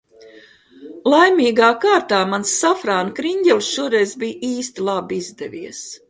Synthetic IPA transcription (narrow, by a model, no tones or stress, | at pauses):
lˠajmiːɡaːkaːɾt̪aːmansːafɾaːnkɾiɲʲɟʲɛlʲˠsʃuɔɾɛjzbiːjiːst̪ilˠabizd̪ɛvʲiɛs